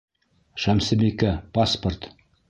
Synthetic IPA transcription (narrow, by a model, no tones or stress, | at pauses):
ʃæmsɘ̆bikæpaspərt̪